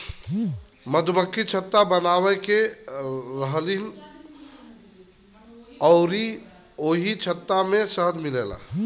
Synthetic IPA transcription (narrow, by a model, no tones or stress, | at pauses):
məd̪ʱməkːit͡ʃʰət̪ːabənawɛke | ɾəɦlin | ɔʊɾi | oɦit͡ʃʰət̪ːamesəɦəd̪milela̰